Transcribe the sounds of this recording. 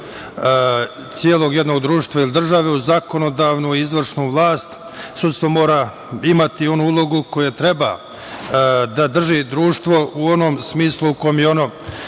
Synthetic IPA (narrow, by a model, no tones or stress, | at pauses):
t̪sjeːlˠo̞ɡje̞d̪no̞ɡd̪ɾuːʃt̪ʋailid̪r̩ʒaʋeuzako̞nod̪aːʋnuiizʋr̩ʂnuːʋlˠaːst̪ | sut̪st̪ʋo̞mo̞ːɾa | imat̪io̞nuːulˠo̞ɡuko̞jet̪ɾe̞ba̰ | d̪ad̪r̩ʒid̪ɾuːʃt̪ʋo̞uo̞nomsmiːslˠuukojemjeono̞